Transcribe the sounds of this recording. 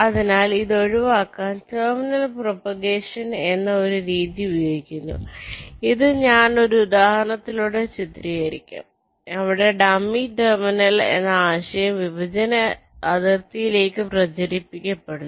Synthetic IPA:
ɐðinaːliðo̞ɻiʋaːkːaːnt̪ɐːminɐlpropɐɡe̞ːʂɐne̞nːɐo̞ɾuɾiːðiujoːɡikʲːunːṵiðɨɲaːno̞ɾuud̪aːhɐɳɐt̪ːiluɽet͡ɕit̪riɣɐɾikʲːṵm | ɐʋiɽe̞ɖɐmːiʈɐrminɐlḛnːɐaːɕɐjɐmʋibʱɐd͡ʑɐnɐːðɐrt̪ijile̞ːkːɨprɐd͡ʑɐɾipːikʲːɐpːeɽunː

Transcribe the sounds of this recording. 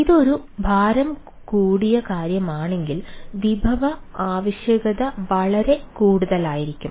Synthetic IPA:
iðo̞ɾubʱaːɾɐm | kuːɽijɐkaːɾjɐmaːɳe̞ŋɡilʋibʱɐʋɐaːʋɐɕjɐɡɐðɐʋɐɭɐɾe̞kuːɽuðɐlaːjiɾikʲːum

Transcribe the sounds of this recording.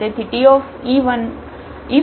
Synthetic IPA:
et̪ʰiʈiof | iʋən | i

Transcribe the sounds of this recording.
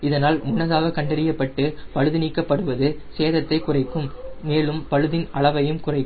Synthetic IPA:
ɪðɐnaːlmʊɳːɐðaːɣɐkɐɳɖɐɾɪjɐpːɐʈːɯpɐɻɯðɯniːkːɐpːɐɽɯʋɐðɯseːðɐt̪ːɐɪkʊrɐɪkːɯmːeːɭɯmpɐɻɯðɪnʔɐɭɐʋɐjɯmkʊrɐɪkː

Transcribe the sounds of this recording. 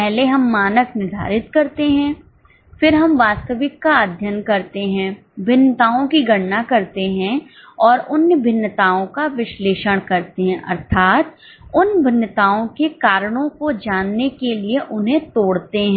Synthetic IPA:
pɛɦleɦɐmːaːnəknɪd̪ʱa̰ːɾɪt̪kɐɾt̪eɦɛ̃ː | fɪɾɦɐmʋaːst̪əʋɪkːad̪ʱjənkɐɾt̪eɦɛ̃ː | bʱɪnːət̪aːõkiɡʱɐɽnakɐɾt̪eɦɛ̃ | ɔːɾʊnːbʱɪnːət̪aːõkaʋɪʃleːʃəɽ̃kɐɾt̪eɦɛ̃ʔɐ̰ɾt̪ʰaːt̪ | ʊnbʱɪnːət̪aːõkekaːɾəɽ̃õkod͡ʒaːnːekelieʔʊnɦẽt̪oːɽt̪eɦɛ̃

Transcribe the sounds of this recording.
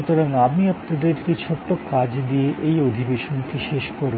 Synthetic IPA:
ut̪oɾaŋamiap̚nad̪eɾpit͡ɕʰoʈːokad͡ʑd̪ieʔejod̪ʱibeʃonkiʃeʃkoɾ

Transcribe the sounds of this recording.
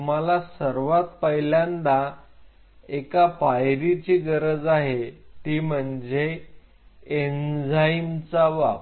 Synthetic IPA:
um̤alasəɾʋat̪pəɦjljãnd̪a | ekapajɾit͡ɕiːɡəɾəd͡zaɦet̪iːm̤əɳd͡ze | end͡zaint͡saʋa

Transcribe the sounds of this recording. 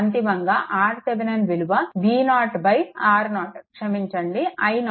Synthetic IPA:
nt̪ibɐŋɡaʔaːɾseʋenɐnʋiluʋɐʋiːnaːʈbɐjaːɾnaːʈkʂɐmiɲt͡ʃɐɳɖiʔɐjn

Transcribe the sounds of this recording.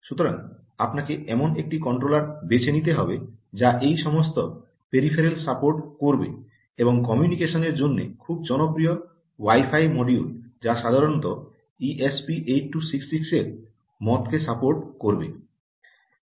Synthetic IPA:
ʃut̪oɾa̰ŋ | apnakeʔɛmonek̚ʈikɔɳʈɾolaɾbet͡ɕʰenit̪̬eɦɔbed͡ʑaʔejʃɔmost̪o | peɾifʰeɾelsapoɾʈkoɾbḛ | eboŋkɔmjunikeʃoneɾd͡ʑonːḛkʰub̚d͡ʑɔnopɾio | wajfajmɔɖiuld͡ʑaʃad̪ʱaɾont̪o | iʔespiʔejʈʈːusiksːikseɾ | mɔt̪kʰesapoɾʈkoɾbḛ

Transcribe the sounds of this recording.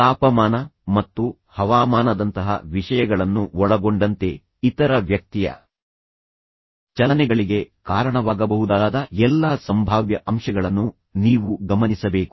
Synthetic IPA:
t̪aːpɐmaːnɐmɐt̪ːu | hɐʋaːmaːnɐd̪ɐnt̪ɐɦɐ̰ʋiʂɐjɐɡɐɭɐnːuɔɭɐɡo̞ɳɖɐnt̪e̞ | it̪ɐɾɐʋjɐk̚t̪ijɐ̰ | t͡ʃɐlɐnɛɡɐɭiɡe̞kaːɾɐɳɐʋaːɡɐbɐɦud̪aːd̪ɐɛlːaːsɐmbʱaːʋjɐʔɐmʂɐɡɐɭɐnːu | niːʋuɡɐmɐnisɐbe̞ːku

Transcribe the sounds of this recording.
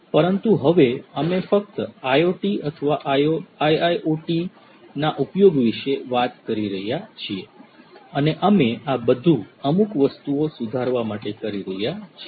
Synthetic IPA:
pəɾənt̪uɦəʋeəmefək̚t̪əajoʈiət̪ʰəʋaʔoajajoʈi | naʔupjoɡʋiʃeʋat̪kəɾiɾəɦjat͡ʃʰieəneʔəmeabəd̪ʱũəmukʋəst̪uosud̪ʱaɾʋamaʈekəɾiɾəɦjat͡ʃʰ

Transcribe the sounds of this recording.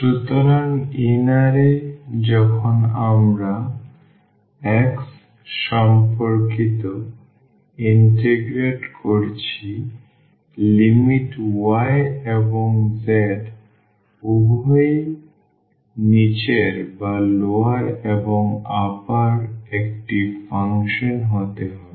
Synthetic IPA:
ʃɾut̪oɾaninaɾed͡ʑɔkʰonamɾa | ɛks | ʃɔmpoɾkit̪o | inʈeɡɾeʈkoɾt͡ɕʰi | limiʈwaeeboŋzeɖ | ubʱoj | nit͡ɕeɾbaloaɾeboŋapaɾek̚ʈifaŋʃonɦot̪eɦɔbe

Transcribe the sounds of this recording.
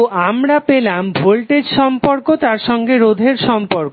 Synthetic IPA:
amɾapelambʱolʈed͡ʑʃɔmpoɾkot̪aɾʃɔŋɡeɾod̪ʱeɾʃɔmpoɾko

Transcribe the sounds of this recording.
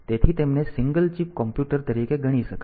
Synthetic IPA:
t̪et̪ʰit̪emnesiŋɡəlt͡ʃipkɔmpjuʈəɾt̪əɾikeɡʱəɽ̃iʃəka

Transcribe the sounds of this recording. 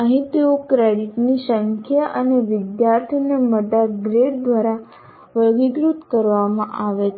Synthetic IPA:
əɦĩt̪eokɾeɽiʈnisəŋkʰjaʔəneʋɪd̪jaɾt̪ʰineməd̪aɡɾeɽd̪ʋaɾa | ʋəɡiɡɾut̪kəɾʋamã̰ʔaʋet͡ʃʰ

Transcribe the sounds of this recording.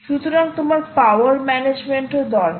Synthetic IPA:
ʃut̪oɾaŋt̪omaɾpawaɾmɛned͡ʑmeɳʈod̪ɔl

